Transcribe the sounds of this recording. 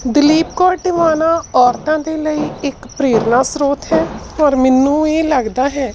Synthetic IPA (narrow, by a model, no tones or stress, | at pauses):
d̪ɪliːp̚kɔːʈɪʋaːnaːɔːɾt̪ãːd̪eːləiːɪkpɾeːɾnaːsɾoːt̪ɦɛːɔːɾmɪnːũːeːləɡd̪aːɦɛː